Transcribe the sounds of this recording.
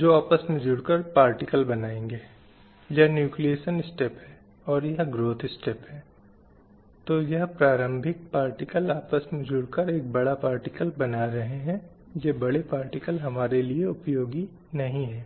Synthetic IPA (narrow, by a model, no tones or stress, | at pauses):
d͡ʒoːaːpəsmẽd͡ʒʊɽkəɾpaːɾʈɪkəlbɐnaːẽːŋɡeː | jɐnjuːklieːʃənɪsʈepɦɛː | ɔːɾjɐɦɡɾoːt̪ʰɪsʈeːpɦɛː | t̪ojɐɦpɾaːɾə̃mbʱɪk̚paːɾʈɪkəlaːpəsmẽd͡ʒʊɽkəɾeːk̚bɐɽapaːɾʈɪkəlbɐnaɾɐɦeɦɛ̃ | jeːbɐɽepaːɾʈɪkəlɦɐmaːɾelieʊpjoːɡi | nɐɦĩɦɛː